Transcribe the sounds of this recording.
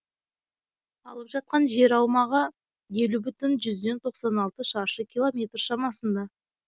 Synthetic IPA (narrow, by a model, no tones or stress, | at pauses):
ɑlˠəpʒɑt̪̚qɑnʒe̞ɾɑwmɑʁə | je̞lubʏt̪ʏnʒʏzd̪e̞nt̪ʰo̞qsɑnɑlˠt̪əʃɑʃəkʲʰilˠo̞mʲe̞t̪rʃɑmɑsənd̪ɑ